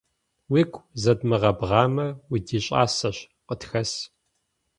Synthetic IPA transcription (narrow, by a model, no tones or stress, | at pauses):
wiːkʷʰʼzɐdmɨʁɐbʁɑːmɐwidiːɕʼa̰ːsɐɕ | qʼətxɐs